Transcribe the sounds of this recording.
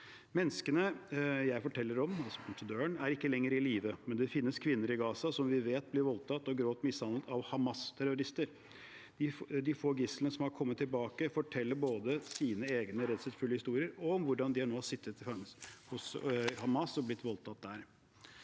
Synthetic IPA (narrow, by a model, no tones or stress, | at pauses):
mɛnːskənəjæɪfɔʈʰɛlːəɾɔmɑlsɔpʰʊnt̪əd̪øːəɳæɾɪkːəlɛŋːəɾɪliːʋəmɛnd̪ɛfɪnːəskʰʋɪnːəɾɪɡɑːsɑsɔmʋɪʋeːt̪̚blɪɾʋɔlt̪ʰɑt̪ːɔɡɾoːt̪mɪshɑnət̪ɑʋhɑmɑst̪ʰæɾʊɾɪst̪əɾ | d̪̥ɪd̪ɪfoːɡɪslənəsɔmhɑɾkʰɔmːət̪ːɪlbɑːkəfɔʈʰɛlːəɾboːd̪əsiːnəeːɡnəɾɛt̪sɛt̪fʉlːəhɪst̪uːɾɪəɾɔmʋʊɖɑnd̪ɪæɳoːhɑsɪt̪ːət̪ɪfɑŋshʊshɑmɑsɔblɪt̪ːʋɔlt̪ʰɑt̪̚d̪æɾ